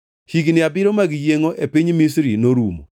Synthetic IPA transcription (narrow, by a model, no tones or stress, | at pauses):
hiɡnɪabɪɾomaɡɪjeŋoʔepiɲmisɾinoɾumo̰